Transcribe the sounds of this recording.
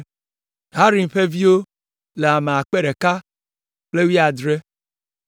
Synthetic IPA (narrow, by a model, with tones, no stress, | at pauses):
ɦa˦ɾi˨m̩˨ɸe˦vi˦o˦ | le˨a˨ma˨a˨k͡pe˦ɾe˨ka˦ | k͡ple˦wi˦a˨dɾe˦